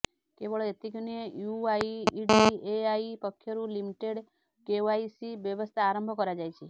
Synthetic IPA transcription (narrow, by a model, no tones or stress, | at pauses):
kebɔɭet̪ikoniejuaiiɖieaipɔkʰːjɔɾulimiʈeɽ | keaisibjɔʋɔst̪ʰaːɾəmbʱɔkɔɾad͡ʒajt͡ʃʰe